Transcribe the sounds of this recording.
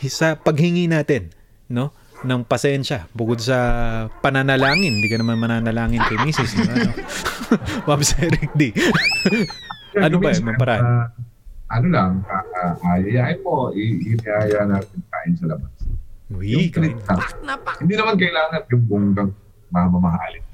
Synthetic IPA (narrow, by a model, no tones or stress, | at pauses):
sɐpɐɡ̚hɪŋinaːt̪ɛnː | o̞ | nɐŋpɐsɛnʃɐbʊkod̪̚sɐpɐnanɐlaːŋɪnnd̪iːkɐnɐmanmɐnaːnɐlaːŋɪnkɐjmiːsɪsmɐmɐno | mɐmsɛɾɪk̚d̪i | aɐnobɐjmɐmpɐɾaː | ʔɐnolɐŋaaʔajɪjaːɪpoʔɪɪnɪʔaːjanaːt̪ɪnt̪aːʔɪnsɐlɐbanswikɐɾɪɪlaŋhɪnd̪iːnɐmankɐʔɪlaːŋɐnjʊŋbʊŋɡɐŋ | mɐmɐmɐɦa̰ːlɪ